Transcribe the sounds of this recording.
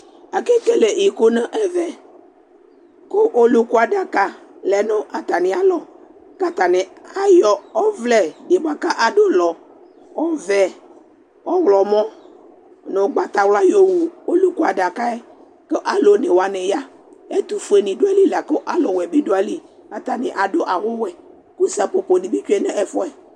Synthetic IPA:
a˨ke˦ke˦le˨i˨ko˦nə̃˦ʔɛ˦vɛ˨ | ko˦ʔo˦lu˦ku˦a˨da˨ka˦˨ | lɛ˨no˦ʔa˨t̪a˨nɪ˨a˨lɔ˨ | ka˦t̪a˨nɪ˨a˦jɔ˨ɔ˦vlɛ˨de˨bo˦a˨ka˦ʔa˨do˦lɔ˨ | ɔ˦vɛ˨ | ɔ˦wlɔ˨mɔ̃˦ | nʊ˨˦ɡ͡ba˦t̪a˨wla˦jo˨wu˨o˦lu˦ku˦a˨da˨ka˦ɛ˦ | kə˦ʔa˦lo˨˦ne˨wa˨nɪ˨ja˦ | ɛ˦t̪u˨fu˦e˨nɪ̃˨dʊ˦a˦li˦la˨ko˦ʔa˦lɔ˨wɛ˨bi˦dʊ˦a˦li˦ | a˨t̪a˨nɪ˨ʔa˨dʊ˦ʔa˨wʊ˦wɛ˨ | ku˦sa˨po˨po˨nɪ˨bi˦t͡ʃu˦ɛ˦nɛ˦ʔɛ˨fɔ˦ɛ˨

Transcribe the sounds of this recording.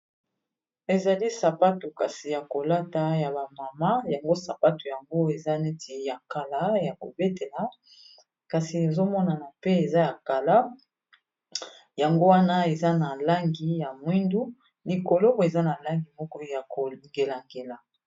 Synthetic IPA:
e˨za˨li˦sa˨pa˦to˨ka˨si˨ja˨ko˨la˦ta˨ja˨ba˨ma˨ma˦ja˨ŋɡo˦sa˨pa˦to˨ja˨ŋɡo˦e˨za˦ne˦ti˨ja˨ka˨la˦ja˨ko̰˨be˦te˨la˦ | ka˨si˨ne˨zo˦mɔ˦na˨na˨pe˦e˨za˦ja˨ka˨la˦ | ja˨ŋɡo˦wa˦na˦e˨za˦na˨la˦ŋɡi˨ja˨mwi˦ndu˦ | li˨ko˨lo˦bo˦˨e˨za˦na˨la˦ŋɡi˨mɔ˦kɔ˦ja˨ko˨ŋɡe˨la˨ŋɡe˨la˨

